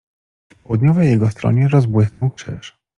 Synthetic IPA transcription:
fpɔwd̪ɲɔvɛjɛɡɔst̪ɾɔ̰ɲɛɾɔzbwɪsnɔwkʂɛ̰ʂ

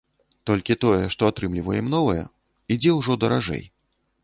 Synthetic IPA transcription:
t̪ɔlʲkʲit̪ɔjɛʂt̪ɔat̪ɾɨmlʲivɐjɛmnɔvɐjɛ̰ | id͡zʲɛwʐɔd̪ɐɾaʐɛ̰j

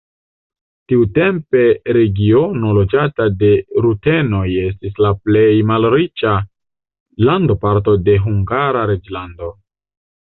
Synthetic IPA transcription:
tiute̞mpe̞ɾe̞ɡio̞no̞lo̞d͡ʒatade̞ɾute̞no̞je̞s̬tislaple̞jmalɾit͡ʃa | lando̞paɾt̬o̞de̞ɦuŋɡaɾaɾe̞d͡ʒlando̞

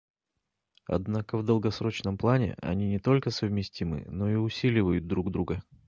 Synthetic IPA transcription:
ɐ̰d̪nakəvd̪əlˠɡɐsɾo̞t͡ɕnəmplˠanʲɪ̰ʔɐ̰nʲinʲɪt̪o̞lʲkəsəvmʲɪsʲtʲimɨ̰no̞iʊsʲilʲɪvəjʊd̪̚d̪ɾuɡd̪ɾuɡə

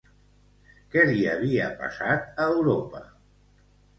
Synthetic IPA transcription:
kɛliəβ̞iəpa̰sat̪əwɾopə

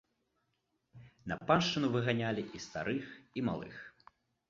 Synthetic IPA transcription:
nɐ̰panʃt͡ʂɨnuvɨɣanʲalʲiʔist̪a̰ɾɨxima̰lˠɨ̰x

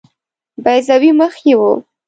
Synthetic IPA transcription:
bajzawiməxjewu

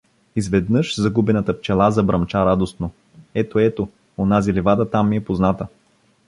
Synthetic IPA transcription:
izvɛd̪nɤʃzɐɡubɛnət̪əp̚t͡ʃɛlˠazɐbɾɐmt͡ʃaɾad̪ost̪no | ɛt̪oɛt̪o | onazilivad̪ət̪amːiɛpoznat̪ə

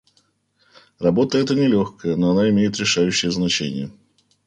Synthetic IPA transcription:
rɐbo̞t̪əɛt̪ənʲɪlʲoxkəjənoɐnaɪmʲejɪt̪ɾʲɪʂajʉɕːɪjəznɐt͡ɕenʲɪ̰jə

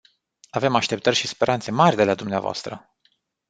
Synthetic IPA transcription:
ave̞maʃt̪e̞p̚t̪ərʲʃispe̞ɾʔant̪se̞marʲd̪e̞lad̪umnea̰voa̰st̪ɾə

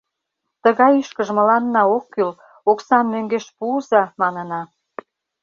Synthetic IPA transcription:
t̪əɣɑjyʃkəʒmə̆lɑnːɑokːyl | oksɑnmøŋɡeʃpuːzɑmɑnə̆nɑ

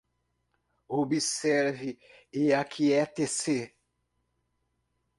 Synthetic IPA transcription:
obisɛɾvieakʰiɛt̪ese

